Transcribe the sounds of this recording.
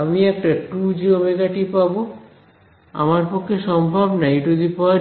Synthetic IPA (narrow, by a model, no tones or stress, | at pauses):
amiɛk̚ʈaʈɾud͡ʑiomeɡaʈipabo | a̰maɾpokʰːeʃɔmbʱabnajdod̪ipɔ